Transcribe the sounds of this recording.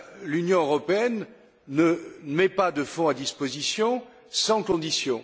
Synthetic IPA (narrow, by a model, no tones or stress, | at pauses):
lynjɔ̃øʁɔpeɛnː | əmɛpad̪əfɔ̃ad̪ispozisjɔ̃ | sɑ̃kɔ̃d̪isjɔ̃